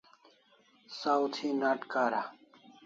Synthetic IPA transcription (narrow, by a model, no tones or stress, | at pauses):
sawt̪ʰinaʈkaːɾa